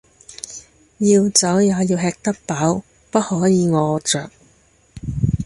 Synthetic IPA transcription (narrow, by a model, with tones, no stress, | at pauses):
jiː˧wt͡sɐ˨˥wjaː˨˧jiː˧wɦɛː˧k̚t̪ɐ˥k̚paː˨˥w | pɐ˥t̚hɔː˨˥jiː˨˧ŋɔː˨˧t͡ʃœː˨˩k̚